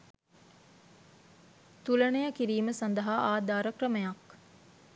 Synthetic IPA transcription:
t̪ulənejəkiɾiːməsand̪əɦaʔaːd̪aːɾəkrəməjak

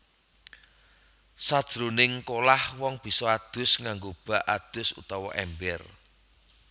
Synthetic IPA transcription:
sad̥ʒ̥ɾonɪŋkolahwɔŋb̥i̤sɔad̪̥ʊ̤sŋaŋɡob̥a̤ʔad̪̥ʊ̤sṵt̪ɔwɔ̰ʔɛ̰mbɛr

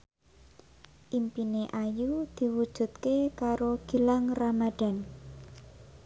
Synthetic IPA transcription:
ʔimpineʔajud̪̥i̤wud̥ʒ̥ṳt̪̚kekaɾoɡ̥i̤laŋramad̪̥a̤n

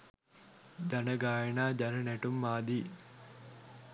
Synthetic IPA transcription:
d͡ʒanəɡaːjenaːd͡ʒanənæʈumːaːd̪iː

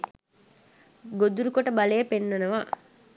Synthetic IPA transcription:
ɡod̪uɾukoʈəbɐlejəpenːɐnəʋa

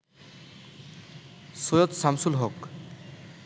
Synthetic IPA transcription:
sojot̪samsulɦok

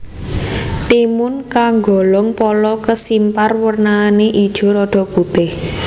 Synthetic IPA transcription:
t̪imʊnkaŋɡɔlɔŋpɔlɔkəsimparwərnaːneʔid̥ʒ̥o̤ɾɔɖ̥ɔ̤ʔb̥ṳt̪ɪh

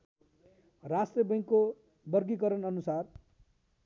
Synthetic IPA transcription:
rasʈrʌbʌj̃ŋkːo | bʌrɡikʌɾʌnʌnusar

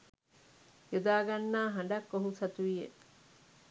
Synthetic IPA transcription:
jod̪aːɡɐnːaːɦɐɳ̆ɖakːoɦusɐt̪uijḛ

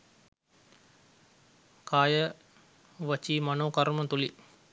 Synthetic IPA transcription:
kaːjə | ʋət͡ʃiːmanoːkɐɾumət̪uli

